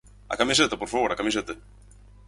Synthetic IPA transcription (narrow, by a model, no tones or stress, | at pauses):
a̰kamiset̪apoɾfaβoɾakamiset̪e